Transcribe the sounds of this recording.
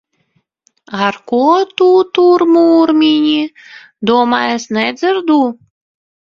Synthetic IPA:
ɑrkot̪ut̪urmuːrmʲinʲi | d̪omɑesnezərd̪u

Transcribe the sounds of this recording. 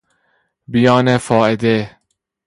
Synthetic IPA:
bijɒːnefɒːʔed̪e

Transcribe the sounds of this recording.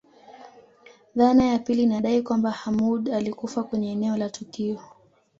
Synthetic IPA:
ðanajapilinaɗaikwambahamuɗalikufakwɛɲɛːnɛɔlatukiɔ

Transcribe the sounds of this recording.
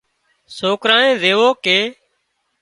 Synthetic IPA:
soːkɾãːnẽːzeːʋoːkeː

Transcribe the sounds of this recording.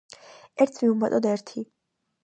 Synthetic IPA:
ɛɾt̪ʰmiumat̪ʼɔd̪ɛɾt̪ʰi

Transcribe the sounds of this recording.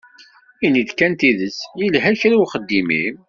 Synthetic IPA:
inid̪kænt̪iðəsjilɦæçɾawχəd̪ːimḭm

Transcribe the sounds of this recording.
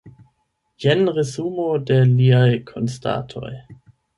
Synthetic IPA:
jenʁezumode̞liajkʰonstʰa̰tʰo̞̰j

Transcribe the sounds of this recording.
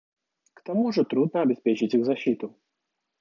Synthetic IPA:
kt̪amuʐɨt̪ɾud̪̚nəɐbʲɪspʲet͡ɕɪtʲiɣzɐɕːit̪ʊ

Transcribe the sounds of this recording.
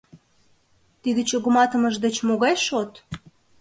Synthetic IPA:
t̪id̪ĕt͡ɕoɣəmɑt̪əməʒd̪ĕt͡ɕmoɣɑjʃot̪

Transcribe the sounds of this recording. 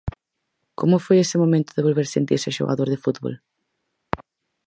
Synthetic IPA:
komʊfojesɪmomẽnt̪ʊðeβolβeɾsent̪iɾsaʃo̰ɣa̰ðoɾðefut̪βo̰l

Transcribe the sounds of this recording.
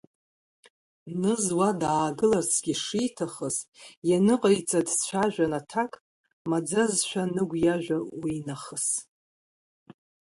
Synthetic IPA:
nɨzwadaːɡɨlarsʰɡʲiʂijtʰaχəsjanɨqʼəjt͡sʼadst͡ɕʷʰaʒᶣanatʰakʼ | mad͡zazʃʷᶣanɨɡʷjaʒᶣʷawinaχəs

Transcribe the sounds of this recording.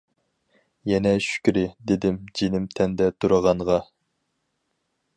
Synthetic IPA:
jɛnɛʃy̥kʲɾɪd̪ed̪ɪmd͡ʒenɪmt̪ʰɛnd̪ɛt̪ʰuɾɑʁɑɴʁɑ

